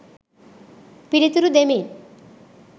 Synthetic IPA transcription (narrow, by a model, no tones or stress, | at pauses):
piɽit̪uɾud̪emin